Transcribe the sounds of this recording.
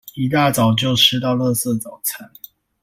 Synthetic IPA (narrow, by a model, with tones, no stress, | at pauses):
i˨˩t̪a˥˩t͡sɑ˨˩ʊt͡ɕjo˥˨ʊʂʰɻ̩˥t̪ɑ˥˧ʊlɤ˥˧sɤ˥˧t͡sɑ˨˩ʊt͡sʰa˨˥˦n